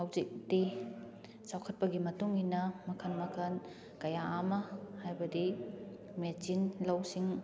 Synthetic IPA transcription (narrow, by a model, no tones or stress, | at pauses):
awzik̚di | sawkʰɐt̚pɐɡimɐtuŋinɐmɐkʰɐnmɐkʰɐn | kɐjaːmɐhajbɐdi | met͡ʃinlɐwsiŋ